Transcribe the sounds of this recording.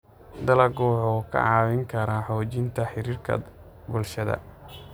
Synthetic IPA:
d̪ɐlɐɡɔːʕɔːkʰɐ̰ʕɑːwɪŋkʰɐɾaħɔːt͡ʃɪnt̪ʰɐħɪɾiːrkʰɐ̰ | bʊlʃɐðɐ̰

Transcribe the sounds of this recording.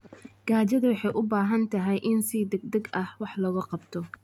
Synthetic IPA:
ɡ̥aːt͡ʃɐðɐwɑħɑjʔʊbaːɦɐnt̪ʰɐɦɛjʔɪnsid̪ɛɡd̪ɐɡɐhwɑħlɐɣɐqɑbt̪ʰɔ

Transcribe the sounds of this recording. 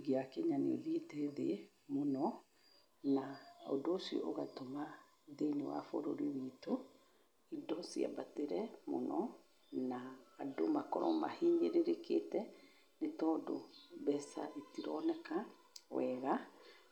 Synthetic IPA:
ɣiakɛɲanḛðietɛðe | monɔ | nao̰doːsiɔ̰ʔoɣatoma | ðenewa̰foɾoɾiwito | idɔsia̰bateɾɛmo̰nɔ | naːdomakɔɾɔ̰ma̰heːɲɡeɾeɾeketɛ | netɔːdo̰bɛsa̰itiɾɔ̰nɛka | wɛɣa

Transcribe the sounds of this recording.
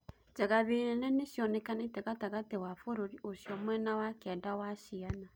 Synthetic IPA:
d͡ʒaɣaβeɾɛnɛneʃjɔnɛkanetɛɣataɣatewafoɾoɾiʔoʃjɔmwɛnawakɛndawaʃiana

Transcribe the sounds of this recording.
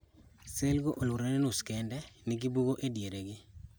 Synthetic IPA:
selɡoʔolwuɾenenuskɛndɛnɪɡibuɡoʔedjeɾeɡɪ

